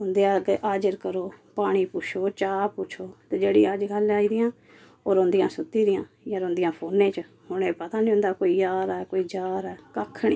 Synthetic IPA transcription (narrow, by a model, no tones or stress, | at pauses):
ʊ̃nd̪eːãːɡʔaːd͡ʒəɾkəɾoːpaːɽ̃iːpʊt͡ʃʰoːt͡ʃaːpʊt͡ʃʰoːt̪eːd͡ʒeːɽḭːəd͡ʒɡəlaːiːd̪ɪjãː | oːɾõːnd̪ijãːsʊt̪iːd̪ɪjãː | jaːɾõːnd̪ɪjãːpʰoːnẽːt͡ʃə | hʊɽ̃ẽːpət̪aːnĩːõnd̪aːkoːiːjaːɾɛːkoːiːd͡ʒaːɾɛːkəkʰːɳiː